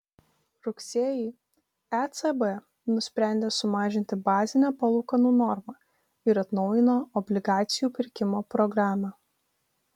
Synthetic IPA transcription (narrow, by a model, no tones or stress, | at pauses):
ɾʊksʲiɛjɛː | ɛt̪sɛbɛ | nʊsʲpʲɾʲæˑnʲd̪ʲeːsʊmɑːʒʲɪnʲt̪ʲɪbɑːzʲɪnʲæpɐlˠukɐnuːnɔɾmɑː | ɪɾɐt̪nɒʊjɪnoːɔbʲlʲɪɡɑːt̪sʲɪjuːpʲɪɾʲkʲɪmoːpɾɔɡɾɑːmɑː